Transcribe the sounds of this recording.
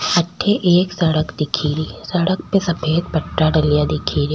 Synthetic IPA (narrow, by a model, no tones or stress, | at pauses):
ɐʈʰːeʔeːksɐɽəkd̪ɪkʰiːɾisɐɽək̚pesɐpʰeːd̪bɐʈːaɖɐlijad̪ekʰiɾi